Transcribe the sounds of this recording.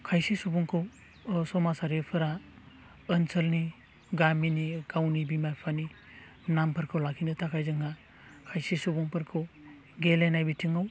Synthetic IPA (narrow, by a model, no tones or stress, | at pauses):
kʰajsisubuŋkʰɯw | sɔmasaɾepʰɯɾa | ənsʰəlni | ɡaminikawnibimajpʰani | nampʰɐɾkʰɯwlakʰinɯtʰakʰajzɯŋa | kʰajsisubuŋpʰɐɾkʰɯw | ɡelenajbitʰiŋaw